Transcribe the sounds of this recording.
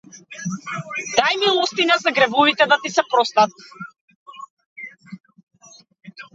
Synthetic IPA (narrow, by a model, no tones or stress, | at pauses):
d̪ajmilˠɔst̪inɛzaɡɾɛvuvit̪ɛd̪at̪isɛpɾɔst̪at̪̚